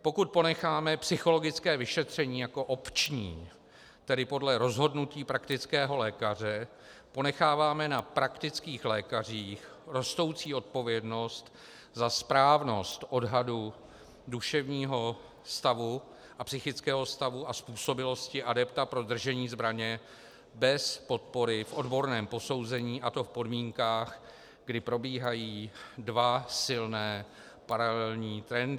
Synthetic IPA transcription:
po̞kut̪̚po̞nɛxaːmɛpsɪxo̞lo̞ɡɪt͡skɛːvɪʃɛt̪r̝̥ɛɲiːjako̞ʔo̞pt͡ʃɲiː | t̪ɛdɪpo̞dlɛɾo̞zɦo̞dnuciːpɾakt̪ɪt͡skɛːɦo̞lɛːkar̝ɛ | po̞nɛxaːvaːmɛnapɾakt̪ɪt͡skiːxlɛːkariːx | ɾo̞st̪o̞wt͡siːo̞t̪̚po̞vjɛdno̞st̪ | zaspɾaːvno̞st̪ʔo̞dɦadu | duʃɛvɲiːɦo̞ | st̪avu | ʔapsɪxɪt͡skɛːɦo̞st̪avuaspuːso̞bɪlo̞scɪʔadɛpt̪apɾo̞d̪r̩ʒɛɲiːzbɾaɲɛ | bɛspo̞t̪̚po̞ɾɪfʔo̞dbo̞ɾnɛːmpo̞so̞wzɛɲiːʔat̪o̞fpo̞dmiːŋkaːx | ɡdɪpɾo̞biːɦajiːdvasɪlnɛː | paɾalɛlɲiːt̪ɾɛnd

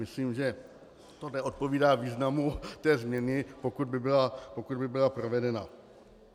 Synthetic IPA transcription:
ɪsliːmʒɛ | t̪onɛʔot̪̚poviːdaːviːznamut̪ɛːzmɲɛnɪpokud̪̚bɪbɪlapokud̪bɪbɪlapɾovɛdɛna̰

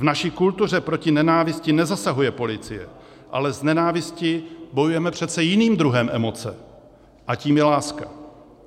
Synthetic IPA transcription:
vnaʃiːkult̪ur̝ɛpɾo̞cɪnɛnaːvɪscɪnɛzasaɦujɛpo̞lɪt͡sɪ̰jɛ̰ | ʔa̰lɛznɛnaːvɪscɪbo̞jujɛmɛpr̥ɛt̪t͡sɛjɪniːmd̪ɾuɦɛmʔɛmo̞t͡sɛ̰ | ʔaciːmjɛlaːska̰

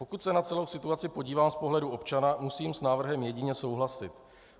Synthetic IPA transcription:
po̞kut̪sɛnat͡sɛlo̞wsɪt̪uat͡sɪpo̞ɟiːvaːmspo̞ɦlɛduʔo̞p̚t͡ʃanamusiːmsnaːvr̩ɦɛmjɛɟɪɲɛso̞wɦlasɪt̪

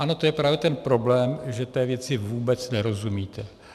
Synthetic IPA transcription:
ʔano̞t̪ojɛpɾaːvjɛt̪ɛnpɾo̞blɛːmʒɛt̪ɛːvjɛt͡sɪvuːbɛt͡snɛɾo̞zumiːt̪ɛ

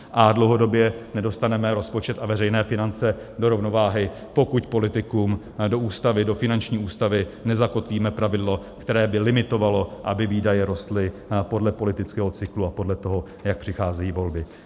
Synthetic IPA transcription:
ʔadlowɦo̞do̞bjɛnɛdo̞st̪anɛmɛɾo̞spo̞t͡ʃɛt̪avɛrɛjnɛːfɪnant͡sɛ | do̞ɾo̞vno̞vaːɦɪ | po̞kucpo̞lɪt̪ɪkuːm | do̞ʔuːst̪avɪdo̞fɪnant͡ʃɲiːʔuːst̪avɪnɛzako̞t̪viːmɛpɾavɪdlo̞kt̪ɛɾɛːbɪlɪmɪt̪o̞valo̞ʔabɪviːdajɛɾo̞st̪lɪpo̞dlɛpo̞lɪt̪ɪt͡skɛːɦo̞t͡sɪkluapo̞dlɛt̪o̞ɦo̞ | jak̚pr̝̥ɪxaːzɛjiːvo̞lbɪ

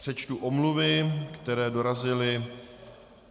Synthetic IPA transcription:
r̥ɛt͡ʃt̪uʔomluvɪkt̪ɛɾɛːdo̞ɾazɪlɪ

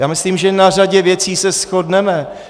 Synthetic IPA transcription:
jaːmɪsliːmʒɛnar̝aɟɛvjɛt͡siːsɛsxodnɛmɛ

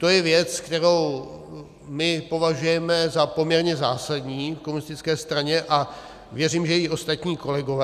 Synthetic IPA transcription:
t̪o̞jɛvjɛt͡skt̪ɛɾo̞w | mɪpo̞vaʒujɛmɛzapo̞mɲɛɾɲɛzaːsadɲiːfkomunɪst̪ɪt͡skɛːst̪ɾaɲɛʔa | vjɛriːmʒɛjɛjiʔo̞st̪at̪ɲiːko̞lɛɡo̞vɛː

